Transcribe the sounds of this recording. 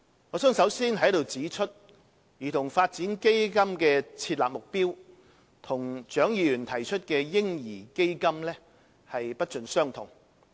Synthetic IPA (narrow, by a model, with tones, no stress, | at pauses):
ŋɔ˨˧˥sœː˨˥ŋsɐ˨˥wsiː˥nɦɐ˨˥jd̪o˨˧wt͡siː˨˥t͡ʃʰɵ˥t̚ | jiː˨˩t̪ʰʊ˨˩ŋfaː˧t̚t͡siː˨˥nke˥jkɐ˥mkɛː˧t͡sʰiː˧t̚laː˨p̚mʊ˨k̚piː˥w | t̪ʰʊ˨˩ŋt͡ʃœː˨˥ŋjiː˨˧jyː˨˩nt̪ʰɐ˨˩jt͡ʃʰɵ˥t̚kɛː˧jɪ˥ŋjiː˨˩ke˥jkɐ˥mlɛː˥ | hɐ˨jpɐ˥t̚t͡ʃɵ˨nsœː˥ŋt̪ʰʊ˨˩ŋ